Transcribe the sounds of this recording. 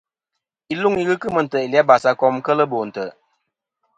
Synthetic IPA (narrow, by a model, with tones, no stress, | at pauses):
i˦lu˦ŋi˦ɣɨ˦kɨ˦mə˨n̩˨tə˨i˨lja˦ba˨sa˨kɔ˦mkə˦lə˦bo˨n̩˨tə˨